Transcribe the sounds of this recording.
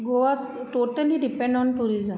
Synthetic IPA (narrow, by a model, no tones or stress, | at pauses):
ɡoʋas | ʈoːʈəliɖipɛ̃ɳɖɔ̃nʈuɾizə̃m